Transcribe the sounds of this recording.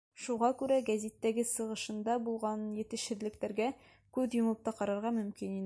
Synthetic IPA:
ʃuʁɑkʉɾæɡæzʲit̪ːæɡɘsɤ̆ʁɤ̆ʃɤ̆nd̪ɑbulˠʁɑnjɘ̆t̪ɘ̆ʃɘ̆ðlɘ̆kt̪æɾɡæ | kʉðjŏmɤ̆p̚t̪ɑqɒɾɑɾʁɑmɵ̆mkinin

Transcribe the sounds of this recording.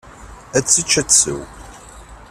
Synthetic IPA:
æt͡sːit͡ʃːæt͡sːə̰w

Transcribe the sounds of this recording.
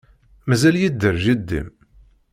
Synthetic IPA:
mæzæljid̪ːəɾʒid̪ːḭm

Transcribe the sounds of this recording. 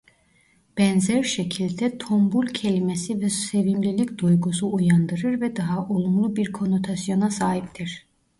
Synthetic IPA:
b̥ɛnzæɾʃecʰilʲd̪ɛt̪ʰombulʲcʰe̞lʲimesivɛse̞vimlʲilʲicd̪ujɡus̬uujand̪ɯɾɯɾvɛd̪aɦaʔolˠumlˠubiɾkʰo̞no̞t̪ʰasjo̞nasaːɦip̚t̪ʰiɾ̥

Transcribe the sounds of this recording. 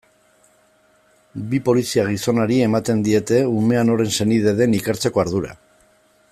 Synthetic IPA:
bipo̞lisiaɣ̞iso̞naɾie̞mat̪e̞nd̪ie̞t̪e̞ume̞ano̞ɾe̞nse̞nið̞e̞ðe̞nikeɾt͡se̞ko̞aɾðuɾa̰

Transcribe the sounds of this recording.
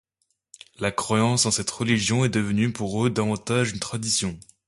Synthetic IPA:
lakχwajɑ̃sɑ̃sɛt̪ʁəliʒjɔ̃ɛd̪əvənypuʁød̪avɑ̃t̪aʒynt̪χad̪isjɔ̃

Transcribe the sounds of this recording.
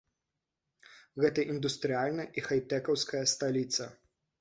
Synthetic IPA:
ɣɛt̪ɐʔind̪ust̪ɾʲɪalʲnɐʔixɐjt̪ɛkɐwskɐjɐst̪ɐlʲit̪sɐ

